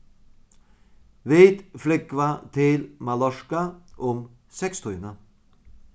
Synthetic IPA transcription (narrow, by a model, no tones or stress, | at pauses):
ʋiːd̪flʏkʋat̪ʰɪlmɑlɔʂkaʔʊm | sɛkst̪ʰɔʏnə